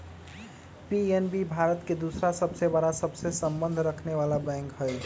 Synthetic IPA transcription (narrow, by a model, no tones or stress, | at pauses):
pienbibʱaɾət̪ked̪usɾasəbsebaɾasəbsesəmbənd̪ʱɾəkʰneʋalabɛ̃ŋkɦəj